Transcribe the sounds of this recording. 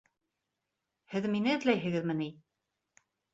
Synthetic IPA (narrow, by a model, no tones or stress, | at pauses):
hɘðminɘɘ̆ðlæjɦɘ̆ɣɘðmɘni